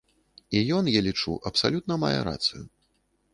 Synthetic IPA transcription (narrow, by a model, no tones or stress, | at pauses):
ijɔnjalʲit͡ʂṵʔɐpsalʲut̪̚nɐma̰jɛ̰ɾa̰t̪sɨju